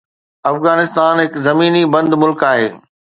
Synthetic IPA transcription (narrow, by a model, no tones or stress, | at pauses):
ɐfɣaːnɪst̪aːnɦɪkzɐmiːnibɐ̃nd̪mʊlkaːɦeː